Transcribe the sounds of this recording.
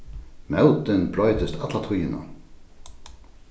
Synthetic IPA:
mɛwt̪ɪnblɔjt̪ɪst̪ʰat̪lat̪ʰʊjɪna̰

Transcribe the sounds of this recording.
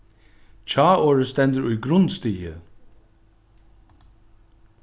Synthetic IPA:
t͡ɕʰɑːoːɹəst̪ɛnd̪əɾʊjɡɾʊnst̪iːə̰

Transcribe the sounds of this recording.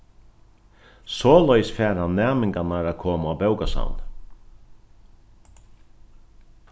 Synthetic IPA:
sɔːlœʏsfɛːɾhanːæːmɪŋkanaɾakʰoːmaːbœwkasa̰wn

